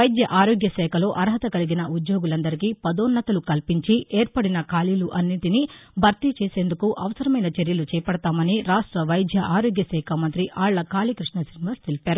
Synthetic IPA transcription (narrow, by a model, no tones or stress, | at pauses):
ʋɐjd̪jɐʔaːɾoːɡjɐsɛːkʰɐlo̞ːʔɐɾɦɐt̪ɐkɐliɡinɐʔud̪jo̞ːɡulɐnd̪ɐɾikiːpɐd̪oːnːɐt̪ɐlukɐlpiɲt͡ʃieːɾpɐɽinɐkaːliluʔɐnːiʈinibʱɐɾt̪it͡ʃeːse̞ːnd̪ukuʔɐʋɐsɐɾɐmɐjnɐt͡ʃeɾjɐlut͡ʃɛːjɐpɐɽɐt̪aːmɐniɾaːʂʈɾɐʋɐjd̪ʱjɐʔaːɾoːɡjɐsɛːkʰamɐnt̪ɾiʔaːɭːɐkaːlikɾiʂɳɐsiniʋaːst̪elipaːɾu